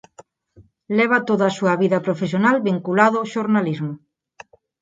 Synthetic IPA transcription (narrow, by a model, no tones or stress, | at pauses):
lɛβ̞at̪oðasuɐβiðɐpɾofes̬jonalβiŋkulaðoʃoɾnalizmʊ